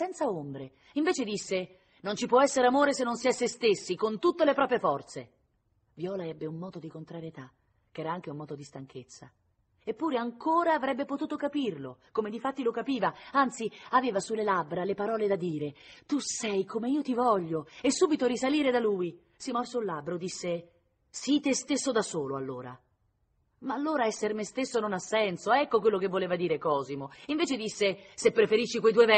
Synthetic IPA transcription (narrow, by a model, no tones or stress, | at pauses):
sɛnt̪saombɾe | iɱveːt͡ʃed̪isːe | nont͡ʃipwɔɛsːeɾeamoːɾesenːonsjɛsːest̪esːikont̪ut̪ːelepɾɔːpɾjefɔrt̪se | vjɔːlaɛbːeumːɔːd̪od̪ikont̪ɾaɾjet̪a | k̟ɛːɾaaŋk̟eumɔːd̪od̪ist̪aŋk̟ʰet̪sːa̰ | epːuːɾeaŋkoːɾaːvɾɛbːepot̪uːt̪okapirlo̰komed̪ifat̪ːilokapiːvaant̪siaveːvasulːelabɾalepaɾɔːled̪ad̪iːɾet̪usɛjkomeiːot̪ivɔʎːoesːuːbit̪oɾisaliːɾed̪aluːi | simɔrsoulːlabːɾod̪isːe | sit̪est̪esːod̪asoːloa̰lːoːɾa̰ | maːlːoːɾaɛsːermest̪esːononasːɛnsoɛkːokwelːokevːoleːvad̪iːɾekɔːzimoiɱveːt͡ʃed̪isːesepːɾefeɾiʃːikwejt̪̬uevɛ